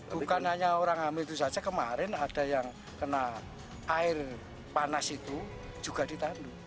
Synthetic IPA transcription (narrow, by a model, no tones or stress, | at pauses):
b̥ukanaɲaoɾaŋamit̪usad͡ʒakəmaɾɪnad̥a̤jaŋ | kəna | ʔaɪr | panasit̪u̥ | d͡ʒ̥ṳɡ̥a̤d̥i̤t̪andu